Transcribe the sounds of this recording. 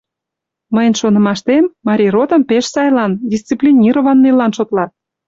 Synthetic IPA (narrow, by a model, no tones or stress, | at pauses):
məjənʃonə̆mɑʃt̪emːɑɾʲirot̪ə̆mpeʃsɑjlɑnd̪ʲist͡siplʲinʲiɾovɑnːelɑnʃot̪lɑt̪̚